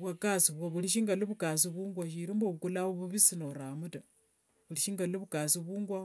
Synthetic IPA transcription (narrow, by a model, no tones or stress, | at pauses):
βwakasiβwaβuliʃ̬iŋɡaliβukas̬iβuːŋɡwaʃiɾimboβukulaβuβuβisinoɾamuta | βuliʃiŋɡaliβukasiβuːŋɡwa